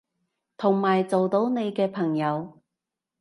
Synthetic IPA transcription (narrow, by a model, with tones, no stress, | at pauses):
t̪ʰʊ˨˩ŋmaː˨˩jt͡so˨wt̪o˨˥wne˨˧jkɛː˧pʰɐ˨˩ŋjɐ˨˧w